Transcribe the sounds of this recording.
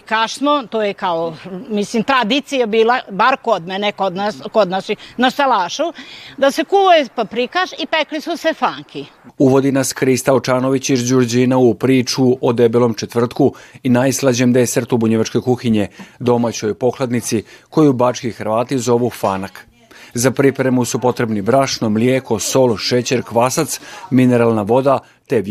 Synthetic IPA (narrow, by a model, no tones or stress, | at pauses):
kaʃsmot̪oːjekaomislimt̪ɾad̪it̪sijabiːlabaɾkod̪menekod̪naskod̪naʃinast̪alaːʃud̪asekuʋojepapɾikaʃipeklisusefaːŋkʰi | uʋo̞d̪inaskɾist̪aot͡ʃaːno̞ʋit͡ɕiʒd͡ʑuɾd͡ʑinaupɾiːt͡ʃuod̪ebelo̞mt͡ʃe̞t̪ʋr̩t̪kuinajslˠad͡ʑemd̪eseɾt̪ubuɲeʋat͡ʃko̞jkuxiɲe̞d̪o̞mat͡ɕo̞jpo̞klˠad̪nit̪siko̞jubat͡ʃkixɾʋaːt̪izo̞ʋufaːnak | zapɾipɾemusupo̞t̪ɾe̞bnibɾaʃnomljeko̞so̞lʃet͡ɕe̞ɾkʋasat̪smineɾalˠnaʋo̞d̪a | t̪eʋ